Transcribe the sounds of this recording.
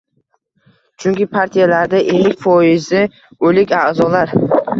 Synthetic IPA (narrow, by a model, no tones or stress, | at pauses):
t͡ʃʰʊŋkʲɪpʰaɾt̪ʰijalaɾd̪aʔe̞lɪkʲfɒɪzɪ | ɵlɪkʲaʔzɒlaɾ